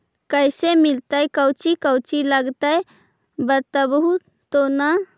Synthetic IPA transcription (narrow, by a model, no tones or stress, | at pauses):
kəjsemilt̪əjkəwt͡ʃikəwt͡ʃiləɡt̪əj | bət̪ːəbəɦut̪ːona